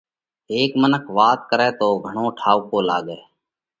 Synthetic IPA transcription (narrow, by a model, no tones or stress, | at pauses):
eːkmənəkʰʋaːt̪̚kəɾeːt̪oːɡʱəɳõːʈʰaːukoːla̰ːɠeː